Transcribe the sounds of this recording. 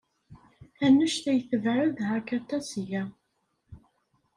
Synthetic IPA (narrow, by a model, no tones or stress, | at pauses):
ænːəʃθæjθəvʕəðhækæt̪ːæsjæ